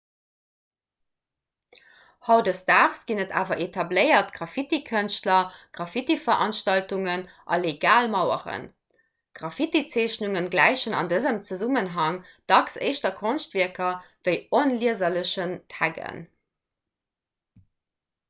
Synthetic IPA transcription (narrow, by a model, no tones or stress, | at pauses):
hɑʊdəstaːʁsɡ̥inətʰa̰ːvɐʔetʰɑbləɪɐtɡ̥ʁɑfitikʰənʃtlɐɡ̥ʁɑfitifɐʔɑnʃtɑltuŋən | ʔɑ̰leɡaːlmɑʊə̰ʁə̰n | ɡ̥ʁɑfitit͡seːɕnuŋənɡlæɪɕənɑ̰ndəzəmt͡səzumənɦɑŋd̥ɑksə̰ɪʃtɐkʰonʃtviɐkɐv̥əɪonliəzɐləɕəntʰæɡə̰n